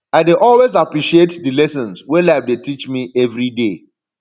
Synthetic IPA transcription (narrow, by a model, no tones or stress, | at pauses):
aɪdeʔɔlwezapɹiʃietdɨlɛsə̃nswɛladetit͡ʃmiɛvɹide